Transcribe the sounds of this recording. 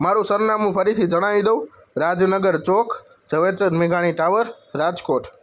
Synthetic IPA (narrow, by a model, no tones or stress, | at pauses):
maɾũsəɾnamũpʰəɾit̪ʰid͡ʒəɽ̃aʋid̪əw | ɾad͡ʒnəɡəɾt͡ʃok | d͡ʒəʋet͡ʃəɾmeɡaɽ̃iʈaʋəɾ | ɾad͡ʒkoʈʰ